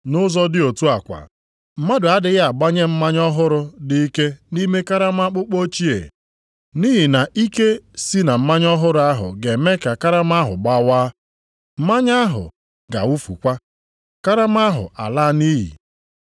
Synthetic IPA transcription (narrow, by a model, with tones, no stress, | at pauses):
nʊ˦zɔ˦dɪ˦o˨tu˦a˨kʷa̰˨ | m̩˦ma˦dʊ˨a˦dɪ˨ɣa˨ɡ͡ba˦ɲe˦m̩˦ma˦ɲɔ˦ɦʊ˦ɾʊ˨dɪ˦i˦ke˦ni˦me˦ka˦ɾa˦m˦a˦k͡pʊ˦k͡po˦t͡ʃi˦ḛ˨ | ni˦ɦi˨na˨ʔi˦ke˦si˦na˨m̩˦ma˦ɲɔ˦ɦʊ˦ɾʊ˨˦a˦ɦʊ̰˨ɡe˨me˦ka˨ka˦ɾa˦ma˦ɦʊ̰˨ɡ͡ba˦waː˦ | m̩˦ma˦ɲ˦a˦ɦʊ̰˨ | ɡa̰˨wu˦fṵ˨kʷa˦ | ka˦ɾa˦m˦a˦ɦʊ̰˨a̰˨la˦ni˦ɦḭ˨